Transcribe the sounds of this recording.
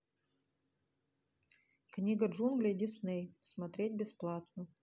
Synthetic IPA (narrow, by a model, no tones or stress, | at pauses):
knʲiɡɐʐunɡlʲedʲisnejsmɐt̪ɾʲet̪ʲbʲesplˠɑt̪no